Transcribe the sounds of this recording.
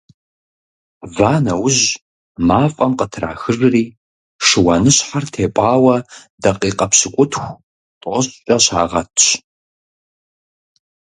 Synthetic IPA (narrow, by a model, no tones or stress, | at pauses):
vaːnɐwʊʑ | maːfʼɐmqətʰra̰ːxɨrriː | ʂɨwɐnɨɕħartʰeːpʼɑːwɐdɐqʼiːqʼɐpɕɪkʷʼʊtxʷ | tʼʔʷɔɕʼɕʼɐɕa̰ːʁɐtʰɕ